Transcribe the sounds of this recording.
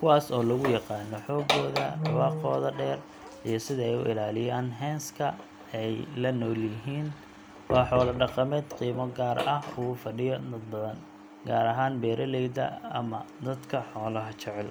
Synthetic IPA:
kʰʊwɑːsɔːlɐɣʊjɑqɑːnːɔħɔːɡɔːðɐ̰wɑːqɔːðɐɖɛːr | ijɞsɪðɐɛjʊ̰ʔɪ̰laːlɪjaːnɦɛːnskʰɐ | ɛjlɐnɔːljɪɦiːn | wɑːħɔːlɐɖɑqɑmɛːd̪qiːmɔɡaːɾɐhʊfɐɖɪjɔnɐd̪bɐðɐn | ɡaːɾɐɦaːnbɛːɾʔɐlɛjd̪ɐ̰ɐ̰mɐd̪ɐd̪kʰɐħɔːlɐɦɐt͡ʃɛʕɛl

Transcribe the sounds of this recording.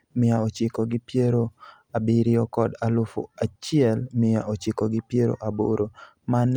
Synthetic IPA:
mɪaot͡ʃɪkɔɡɪpjeɾo | abiɾɪɔkɔdalʊfo̰at͡ʃɪɛlmɪjaot͡ʃɪkoɡɪpjeɾo̰ʔabo̰ɾo | man

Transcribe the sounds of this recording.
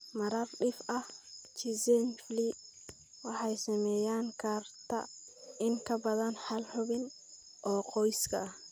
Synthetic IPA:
mɐɾɐrɗɪfɐht͡ʃizɛnfli | wɑħɑjsɐmɛːjaːŋkʰaːrt̪ʰɐ̰ɪŋkʰɐbɐðɐnħɐlħʊβɪn | ʔɔːqɔjskʰɐ̰

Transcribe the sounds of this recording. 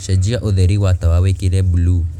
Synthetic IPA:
ʃɛd͡ʒiaʔoðɛɾiwatawawekiɾɛblu

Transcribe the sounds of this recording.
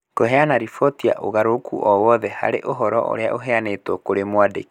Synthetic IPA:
koɦɛanaɾifɔtia̰ʔo̰ɣaɾokʰṵʔɔwɔðɛha̰ɾeʔoɦɔɾɔ̰ʔo̰ɾea̰ʔoɦɛanetwɔkoɾemwadḛki̥

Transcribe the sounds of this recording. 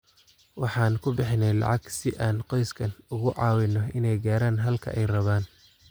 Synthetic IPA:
wɑħɑːnkʰʊbɪħɪnɛjlɑ̰ʕɑɡsɪʔaːnqɔjskʰɐnʊɣʊʕɑːwɪnːɔɪnɛjɡaːɾaːnɦɐlkʰɐ̰ʔɛjrɐβaːn

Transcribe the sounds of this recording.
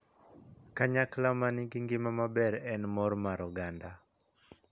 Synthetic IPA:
kaɲaklamanɪɡɪŋɡɪmamabɛɾɛnmɔɾmaɾɔɡanda

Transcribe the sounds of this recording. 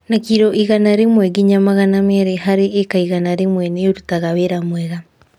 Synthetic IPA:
nakiɾɔʔiɣanaɾemwɛɡiɲamaɣanamaɾeɦaɾeːkaiɣanaɾemwɛnɛoɾutaɣaweɾamwɛɣa

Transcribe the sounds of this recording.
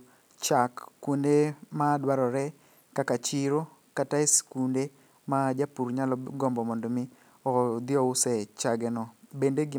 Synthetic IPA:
t͡ʃakːwondemadwaɾɔɾɛ | kakat͡ʃiɾo | kataeskunde | mad͡ʒapuɾɲalɔɡɔmbɔmɔndomɪ | ɔd̪ɪɔʊsɛt͡ʃaɡɛnɔbendeɡɪ

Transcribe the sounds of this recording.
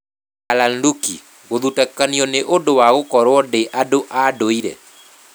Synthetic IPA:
alandukḭ | ɣoðutakaniɔneʔondowaɣokɔɾwɔdeʔadoʔadoiɾɛ̰

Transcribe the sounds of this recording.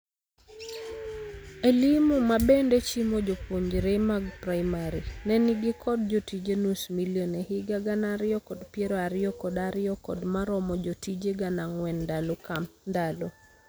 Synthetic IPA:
elimumabendet͡ʃimod͡ʒopoɲd͡ʒɾemaɡpɾaimaɾinɛniɡikʰɔd̚d͡ʒɔtid͡ʒenusmiljonɛhɪɡaɡanaɾɪɔkɔdpjeɾɔaɾɪɔkɔdaɾɪɔkɔdmaɾɔmɔd͡ʒotid͡ʒeɡanaŋwɛndalɔkamndalo

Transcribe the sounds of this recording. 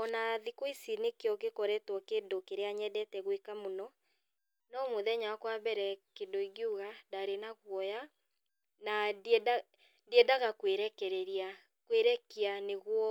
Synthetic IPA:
ɔnaðikoisinekeɔɣekɔɾɛtwɔkendokeɾeaɲɛdɛtɛɣwekamonɔ | nɔmoðɛɲakwabɛɾɛkendoiɡjuɣadaɾenaɣwɔja | naa | diɛdaɣakweɾɛkɛɾɛɾia | kweɾɛkianeɣwɔ

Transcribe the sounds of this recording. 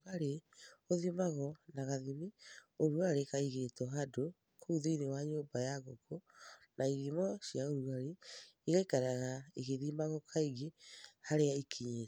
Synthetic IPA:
aɾeoðimaɣɔnaɣaðimioɾuaɾekaiɣetɔɦado | kʰouðeinewaɲoːbajaɣokonaiðimɔɕiaoɾuaɾeiɣakɛɾaɣaiɣeðimaɣɔkʰaiɣehaɾeaikʰiɲe

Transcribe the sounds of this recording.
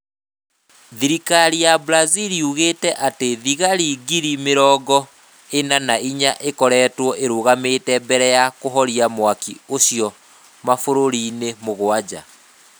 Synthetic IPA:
ðiɾikaɾijabɾaziɾiuɣeːtɛʔateðiɣaɾiɡiɾimeɾɔːɡɔ | enanaiɲaʔekɔɾɛːtwɔʔeɾoɣametɛbɛɾɛjakoɦɔɾiamwakioɕjɔ | mafoɾoɾiːnemoɣoad͡ʑa̰

